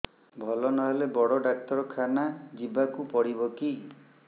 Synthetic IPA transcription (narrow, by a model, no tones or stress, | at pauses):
bʱɔlɔnɔɦelebɔɽɔɖak̚t̪ɔɾɔkʰanad͡ʒibakupɔɽibɔki